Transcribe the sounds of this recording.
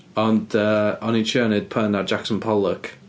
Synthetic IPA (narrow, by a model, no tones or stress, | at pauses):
ɔndəɔnint͡ʃʰəːnɪd̥̚pʰənard͡ʒaksənpʰɔlˠək